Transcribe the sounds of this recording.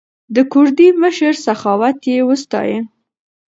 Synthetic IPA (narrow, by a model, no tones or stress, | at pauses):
d̪əkʊɾd̪iməʃəɾsaxɑwat̪jewəst̪ɑ̰jə